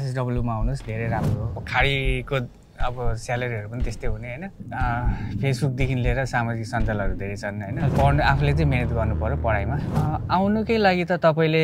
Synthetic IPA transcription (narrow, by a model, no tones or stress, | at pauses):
sesɖʌbljubmaːwnusd̪ʱeɾejɾamrokʰaɽiko | ʌbʌsalʌɾiɦʌɾupʌnit̪est̪ojɦuneɦʌjnʌ | pʰesbuk̚d̪ekʰinleɾʌsamad͡ziksʌnd͡zʌlʌɾud̪ʱeɾejt͡sʰʌnɦʌjnʌpʌrnapʰulet͡sʌ̃ĩmenʌt̪ɡʌrnupʌɾopʌɽajmaawnukʌjlaɡit̪ʌt̪ʌpaĩle